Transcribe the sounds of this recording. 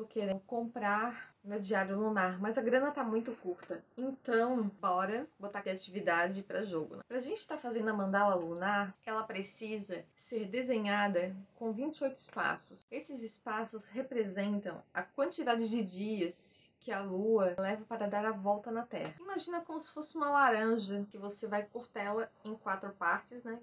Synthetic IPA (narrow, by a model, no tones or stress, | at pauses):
ʊkeɾẽkõmpɾaɾmewd͡ʒiaɾjʊlunaɾmɐzɐɡɾɐ̃nɐt̪amũj̃t̪ʊkuɾt̪ɐẽnt̪ɐ̃w̃bɔɾɐbot̪aat͡ʃivid̪ad͡ʒɪpɾɐʒoɡʊ̰nɛ̃pɾɐaʒẽnt͡ʃɪ̥t̪aɾfazẽnd̪ʊɐmɐ̃nd̪alɐlunaɾkɛlɐpɾesizɐseɾd̪ezẽɲad̪ɐkõvĩnt͡ʃɪojt̪ʊɪ̥spa̰sʊ̥sesɪzɪspasʊshepɾezẽnt̪ɐ̃w̃ɐ̰kwɐ̃nt͡ʃid̪ad͡ʒɪd͡ʒɪd͡ʒiɐskɪɐluɐlɛvɐpaɾɐd̪aɾɐvɔwt̪ɐnɐt̪ɛ̰hɐimaʒĩnɐkõmʊsɪ̥fosɪũmɐlaɾɐ̃ʒɐkɪvosevajkoɾt̪ɛlɐẽkwat̪ɾʊpaɾt͡ʃɪsnɛ